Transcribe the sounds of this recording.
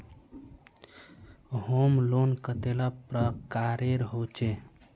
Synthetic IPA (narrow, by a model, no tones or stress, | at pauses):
ɦomlonkət̪elapɾəkaɾeɾɦot͡ʃe